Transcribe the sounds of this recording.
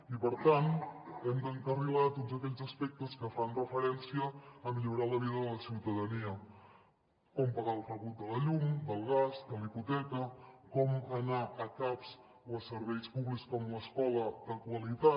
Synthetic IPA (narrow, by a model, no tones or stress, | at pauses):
ipəɾt̪anɛmd̪əŋkərilat̪otzəkɛʎzəspɛk̚t̪əskəfanrəfəɾɛnsiəːmiʎuɾaləβiðələsiwt̪əðəniə | kɔmpəɣalˠfəβut̪̚d̪ələʎumd̪əlˠɣ̞azd̪əliput̪ɛkəkɔmənaʔəkapz̥ | oəsəɾβɛjspuβlikskɔmləskɔləd̪əkwəlit̪a